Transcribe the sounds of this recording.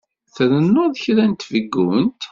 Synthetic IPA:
θɾənːʊðəçɾænt̪vəɡːunt̪

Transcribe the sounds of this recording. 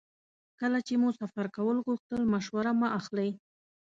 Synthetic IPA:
kəlat͡ʃemusafaɾkawəlɣuxt̪əlmaʃwaɾamaʔaxlaj

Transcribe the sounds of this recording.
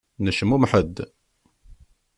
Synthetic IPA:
nəʃəmːumħəd̪ː

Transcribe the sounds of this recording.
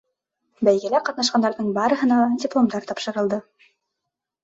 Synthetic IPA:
bæjɡæ̆læqɑt̪nɑʃ̬qɑnd̪ɑɾðɤɴbɑɾɤ̆hɤ̆nɑdʲɪplˠomd̪ɑɾt̪ɑpʃɤ̆ɾɤ̆lˠd̪ɤ

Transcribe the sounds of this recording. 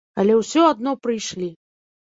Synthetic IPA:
alʲɛwsʲɔad̪̚nɔpɾɨjʂlʲi

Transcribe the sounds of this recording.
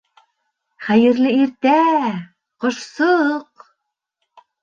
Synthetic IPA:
χæjɘ̆ɾlɘiɾt̪æ | qŏʃsoq

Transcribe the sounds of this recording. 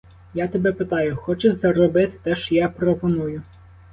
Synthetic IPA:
jat̪ebɛpɪt̪ɑjʊxɔt͡ʃɛʃʲzɐɾɔbɪt̪ɪ̥t̪ɛʃjapɾɔpɔnujʊ

